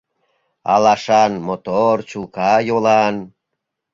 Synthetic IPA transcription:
ɑ̰lɑʃɑnmot̪ort͡ɕukɑjolɑn

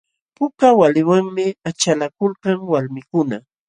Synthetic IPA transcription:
pʊkawalɪwaŋmɪat͡ʃalakʊlkaŋwalmɪkʊna

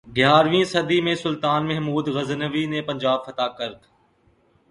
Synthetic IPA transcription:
ɡjaːɾʋĩːsəd̪iːmẽːsʊlt̪aːnmɛɦmuːd̪ɣəznəʋiːnẽːpə̃ɲd͡ʒaːb̚fət̪aːkəɾt̪

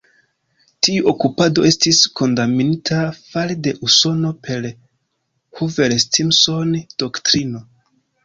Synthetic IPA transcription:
tiuʔokupado̞e̞stisko̞ndaminitʰafalede̞ʔuso̞no̞pʰe̞l | huve̞lstimso̞nd̥oktɾino̞

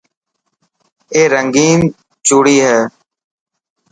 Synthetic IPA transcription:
eːɾəŋɡiːn | t͡ʃuːɽiːɦɛː

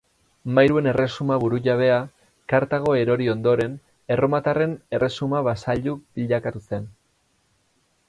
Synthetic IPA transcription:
majɾue̞ne̞re̞sumaβuɾuʎaβ̞e̞a | kaɾt̪aɣ̞o̞e̞ɾo̞ɾio̞nd̪o̞ɾe̞n | e̞ro̞mat̪are̞ne̞re̞sumaβasaʎub̥iʎakat̪use̞n

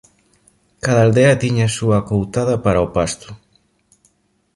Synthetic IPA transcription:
kaðɐald̪eɐt̪iɲaːsuɐkowt̪aðɐpaɾɐopast̪ʊ̥

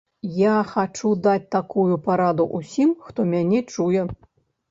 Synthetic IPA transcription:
jaxat͡ʂud̪at͡sʲt̪akujupaɾad̪uʔusʲimxt̪ɔmʲanʲɛt͡ʂujɛ

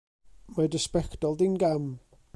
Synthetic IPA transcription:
madɪspɛktɔlˠdinɡam

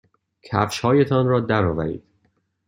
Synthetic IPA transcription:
cʰæ̰fʃhɒːjet̪ʰɒnɾɒːd̪æɾɒːvæɾḭːd̪̥

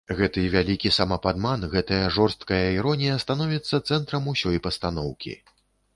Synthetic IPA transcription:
ɣɛt̪ɨvʲalʲikʲisamɐpad̪manɣɛt̪ɐjɐʐɔrst̪̚kɐjɐiɾɔnʲijɐst̪anɔvʲit̪sːɐt̪sɛnt̪ɾɐmusʲɔjpɐst̪an̪ɔwkʲḭ

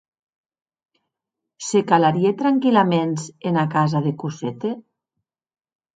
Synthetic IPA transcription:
sekalaɾiet̪ɾaŋkilamenzenakazaðekuset̪e

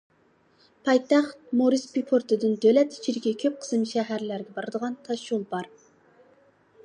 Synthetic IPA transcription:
pʰɑjt̪ɑχt̪̚moɾispipʰoɾt̪ɨd̪ɨnd̪ølɛt̪t͡ʃʰiɾkʲɛkʲʰøp̚qʰə̥smʃɛɦæɾlæɾɡʲɛbɑɾɨd̪əʁɑnt̪ʰɑʃulˠbɑɾ

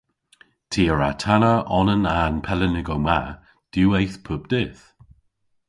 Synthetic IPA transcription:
tʰiːəɹa̰tʰanəɔnənanpʰɛlənɪɡowma | d̥uwejθpʰʊb̚d̥ɪθ

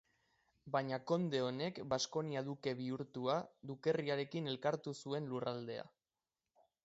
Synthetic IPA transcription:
bajɲako̞nd̪e̞o̞ne̞kbasko̞niaðuke̞β̞iuɾt̪uaðuke̞riaɾe̞kine̞lkaɾt̪usue̞nlurald̪e̞̰a̰

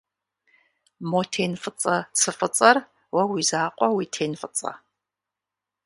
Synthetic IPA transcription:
motʰeːnfɨt͡sʼɐt͡sʰɨfɨt͡sʼɐr | wɐwizaːqʷʼɔwitʰeːnfɨt͡sʼɐ̰

